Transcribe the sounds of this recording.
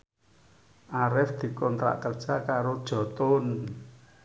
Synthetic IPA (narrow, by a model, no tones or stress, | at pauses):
ʔaɾɪfd̪̥i̤kɔnt̪ɾa̰ʔkərd̥ʒ̥akaɾod̥ʒ̥ɔ̤t̪ʊn